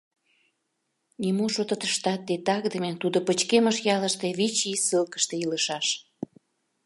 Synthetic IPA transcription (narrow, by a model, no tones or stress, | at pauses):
nimoʃot̪ət̪əʃt̪ɑt̪̚ːet̪ɑkd̪əmet̪ud̪opət͡ɕkeməʃjɑləʃt̪eβit͡ɕisəlkə̥ʃt̪eiləʃɑʃ